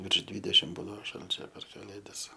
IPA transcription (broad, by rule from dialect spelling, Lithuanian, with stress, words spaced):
ʋʲɪrʃ ˈdʲʋʲiːdʲɛʃʲɪm ˈbuːdɐʋoː ˈʃɐlʲt͡ʃʲoː pʲɛr kɐˈlʲeːdɐs